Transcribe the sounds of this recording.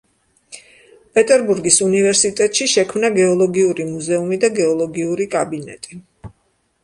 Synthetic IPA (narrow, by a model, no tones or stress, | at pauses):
pʼɛt̪ʼɛɾbuɾɡisunivɛɾsit̪ʼɛt̪ʼʃiʃɛkʰmnaɡɛɔlˠɔɡiuɾimuzɛumid̪aɡɛɔlˠɔɡiuɾikʼabinɛ̰t̪ʼi